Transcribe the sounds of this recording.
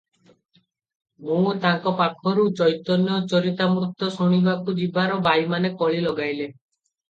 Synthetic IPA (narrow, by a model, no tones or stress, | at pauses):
mũt̪aŋkɔpakʰɔɾut͡ʃɔjt̪ɔnjɔt͡ʃɔɾit̪amɾut̪ɔsɔɽ̃ibakud͡ʒibaɾɔbajmanekɔɭilɔɡajle